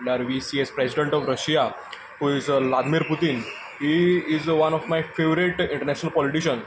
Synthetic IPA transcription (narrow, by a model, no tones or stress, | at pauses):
ɖəɾʋisiːɛzpɾesiɖẽɳʈɔfɾəʃija | huːizlad̪miɾput̪in | hiːɪzʋɐnɔʋmajfeʋəɾiʈɪ̃ɳʈəɾnæʃənəlpɔliʈiʃən